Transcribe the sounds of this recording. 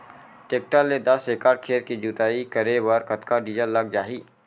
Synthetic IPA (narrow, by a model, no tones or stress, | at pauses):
ʈeːk̚ʈalːed̪ɐseːkaːɾkʰeːɾkid͡ʒuːt̪aːikɐɾewɐɾkɐt̪kaɖiːd͡ʒəɾlɐɡ̚d͡ʒaːɦiː